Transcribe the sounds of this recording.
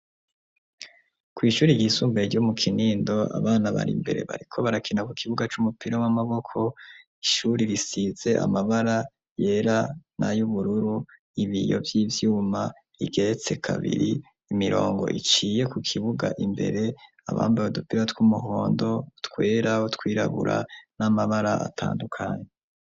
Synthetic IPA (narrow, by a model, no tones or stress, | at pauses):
kwiːʃuːɾiɟisuːmbeɟomukʰiniːndo̞a̰βaːnaβa̰ɾḭmbe̞ɾe̞̰βa̰ɾikʰo̞βaɾakʰinakukʰiβuɡat͡ʃumupiɾomamaβo̞kʰo̞ | iʃuːɾiɾisize̞ʔa̰maβaɾa | je̞ːɾanʔa̰juβuɾuɾu | iβijo̞̰vjiːvjuːma | iɡe̞ɾet͡se̞kʰaβḭɾiː | miɾo̞ːŋɡo̞̰ʔit͡ʃiːje̞kukʰiβuɡa̰ʔimbe̞̰ɾe̞ | a̰βa̰ːmbaβodupiɾatwumuɦo̞ːndo̞utkwe̞ːɾautwiːɾa̰βṵɾa̰namaβaɾaʔa̰tʰa̰ːndukʰaːɲe